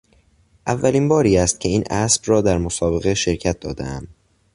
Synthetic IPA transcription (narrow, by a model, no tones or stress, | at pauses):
ʔævːæliːnbɒːɾiːæst̪̚cʲʰe̞iːnʔæsbrɒːd̪æɾmosɒːbe̞ɣeʃe̞ɾcʰæt̪̚d̪ɒːd̪ḛæ̰m